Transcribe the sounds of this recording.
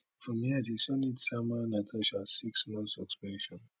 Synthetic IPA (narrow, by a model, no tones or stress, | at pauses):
fɹɔ̃miatisɔnitsamanatʰɛʃasiksmɔ̃nsɔkspɛ̃nʃɔ̃n